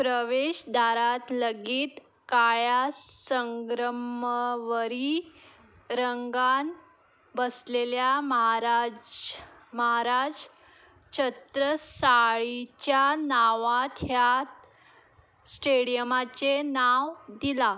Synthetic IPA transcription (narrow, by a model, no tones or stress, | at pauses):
pɾəʋeɕd̪ʱaɾat̪ləɡiːt̪ | kajasəŋɡɾəməʋəɾi | ɾəŋɡan | bəsleljamɦɾad͡zməɦaɾad͡z | t͡ɕət̪ɾəsaɭit͡ɕjanaʋat̪ʰjat̪ | sʈeɽijəmat͡ɕenaʋd̪ila